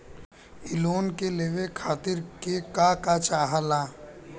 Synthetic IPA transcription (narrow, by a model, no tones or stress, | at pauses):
ɪloːnkeleːʋekʰaːt̪ɪɾkekakat͡ʃaːɦalaː